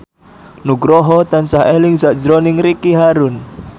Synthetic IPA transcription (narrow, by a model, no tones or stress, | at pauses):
nuɡɾɔɦɔt̪ansaɦelɪŋzaʔd͡ʒɾɔnɪŋrikiɦaɾʊn